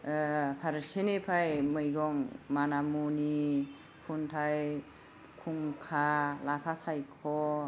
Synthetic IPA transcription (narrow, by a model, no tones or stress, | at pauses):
pʰaɾsenepʰajmɯjɡɔŋmanamuni | pʰuntʰaj | kʰuŋkʰalapʰasajkʰɔ